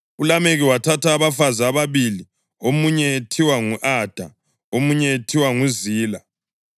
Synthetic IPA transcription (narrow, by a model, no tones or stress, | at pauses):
ulameɣiwatʰatʰaːβafazaːβaβili | omuɲɛtʰiwaŋuʔad̥ʱa̰ | omuɲɛtʰiwaŋuziːla